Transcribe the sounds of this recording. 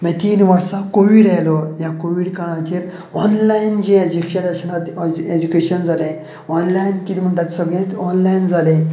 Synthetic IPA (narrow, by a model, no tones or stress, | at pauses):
mɛ̃t̪iːnʋəɾsãkoʋiːɽalɔjakoʋiːɽkaɭ̃ãt͡ɕeɾ | ɔnlaind͡ʑẽed͡ʑikɕad̪əɾɕənat̪ed͡ʑukeɕənd͡zʱalẽ | ɔnlajnkit̪im̤əɳʈ̪at̪səɡẽt̪ɔnlajnd͡zʱalẽ